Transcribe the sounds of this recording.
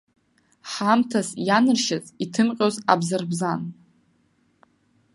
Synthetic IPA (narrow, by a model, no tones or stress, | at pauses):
ħamtʰasjanɨrʃazʼitʰɨmqʲʼoza̰bzarbzan